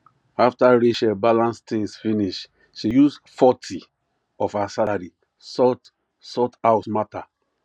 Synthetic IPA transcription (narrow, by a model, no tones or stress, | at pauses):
aftaɹeʃɛbalãnstĩŋsfiniʃ | ʃijusfɔtʰi | ɔfasalaɾi | sɔt | sɔtawsmata